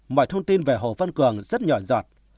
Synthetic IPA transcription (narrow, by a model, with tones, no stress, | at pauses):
mɔ̰˧˨jt̪ʰə˧wŋ͡mt̪i˧nve˨˩ɦo̰˨˩fə˧nkɨ˨˩əŋzə˦˥t̚ɲɔ˧˩zɔː˨˩t̚